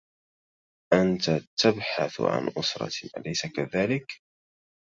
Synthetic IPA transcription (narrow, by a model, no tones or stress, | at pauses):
ʔant̪at̪abħaθʕa̰nʔʊsɾˤɑ̰ʔa̰lajsakaðaːlɪk